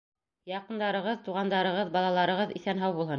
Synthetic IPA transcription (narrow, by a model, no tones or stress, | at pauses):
jɑqɤ̆nd̪ɑɾɤ̆ʁɤðt̪uʁɑnd̪ɑɾɤ̆ʁɤðbɑlˠɑlˠɑɾɤ̆ʁɤðḭθænɦɑwbulˠhɤn